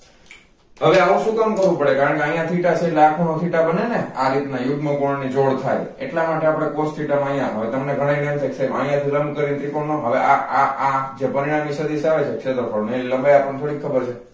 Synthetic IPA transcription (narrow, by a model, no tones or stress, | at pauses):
ɦəʋeaũʃũkamkəɾʋũpəɽekaɾəɳkeəj̃ãt̪ʰiʈat͡ʃʰelakʰonot̪ʰiʈabəneneaɾit̪najʊɡməkoɳnid͡ʒoɽt̪ʰaj | ḛʈlamaʈeapəɽ̃ekosʈ̪ʰiʈaməj̃ãɦəʋet̪əmneɡʱəɽ̃ainemt̪ʰekt͡ʃʰemə̃j̃ãt̪ʰiləmbkəɾint̪ɾikoɳnoɦəʋeʔaaad͡ʒepəɾiɽ̃amisəd̪iʃaʋet͡ʃʰekt͡ʃʰet̪ɾpəɽneləmbajapəɳt̪ʰoɽikʰəbəɾt͡ʃʰe